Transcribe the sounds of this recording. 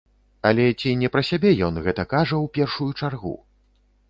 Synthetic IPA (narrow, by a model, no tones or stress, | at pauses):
ɐlʲɛt͡sʲinʲɛpɾɐsʲabʲɛjɔnɣɛt̪ɐkaʐɐwpʲɛrʂujut͡ʂarɣṵ